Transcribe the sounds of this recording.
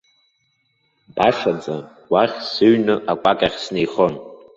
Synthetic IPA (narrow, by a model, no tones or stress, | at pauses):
b̥aʂad͡zʼa | wʷaχʲsɨɥnɨʔakʷʼakʼaχʲsnejχo̞n